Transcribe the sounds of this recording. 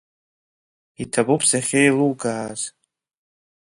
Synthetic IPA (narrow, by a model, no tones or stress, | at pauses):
itʰabupʰsaχʲejluwɡaːz